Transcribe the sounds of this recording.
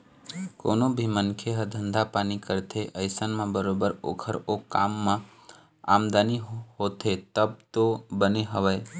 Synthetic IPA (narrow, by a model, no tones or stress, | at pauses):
ko̰ːnõbʱimənkʰeɦəd̪ʱə̃nd̪ʱapaːnikəɾt̪ʰeʔəɪsənmãbəɾoːbəɾo̰ːkʰəɾoːkːaːmːã | a̰ːmd̪aːniɦɦoːt̪ʰet̪əb̚t̪obəneɦəʋə